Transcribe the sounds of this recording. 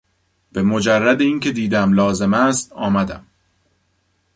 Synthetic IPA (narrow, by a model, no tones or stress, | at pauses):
b̥e̞mo̞d͡ʒærːæd̪eiːncʰe̞d̪iːd̪æmlɒːze̞mæst̪ɒːmæd̪æ̰m